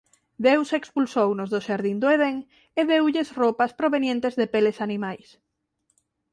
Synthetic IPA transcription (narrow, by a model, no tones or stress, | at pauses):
d̪ewsekspulsownʊzðʊʃaɾðind̪oeðeŋ | eðewʎɪsropaspɾoβenjẽnt̪ezðepelesanimajs